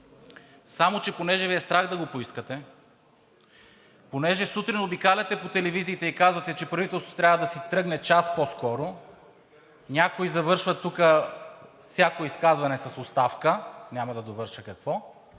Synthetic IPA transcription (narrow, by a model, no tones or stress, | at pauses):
samot͡ʃɛponɛʒɛviɛst̪ɾaxd̪ɐɡopoiskət̪ɛ | ponɛʒɛsut̪ɾinobikalʲɐt̪ɛpot̪ɛlɛviziːt̪ɛikazvɐt̪ɛt͡ʃɛpɾɐvit̪ɛlˠst̪ot̪ɾʲjavəd̪ɐsit̪ɾɤɡnɛt͡ʃaspɔskɔɾo | nʲakoizɐvɤɾʃvət̪ːukə | fsʲjakoiskazvɐnɛsɐsost̪afkənʲamɐd̪ɐd̪ovɤɾʃəkɐkvɔ